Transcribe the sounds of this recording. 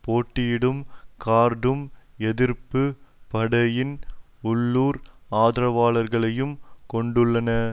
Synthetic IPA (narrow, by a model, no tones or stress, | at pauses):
poːʈːɪjɪɽɯmkaːɾɖɯmɛðɪɾpɯpɐɽɐjɪn | ʊɭːuːɾaːðɪɾɐʋaːlɐɾɣɐɭɐjɯmkɔɳɖɯɭːɐnɐ